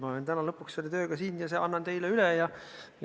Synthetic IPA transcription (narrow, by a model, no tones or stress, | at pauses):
mɑolent̪ænɑlɤpːˑuksselːet̪øːɡ̥ɑsiːnjɑseʔɑnːɑnt̪e̞jleylɛjɑ | j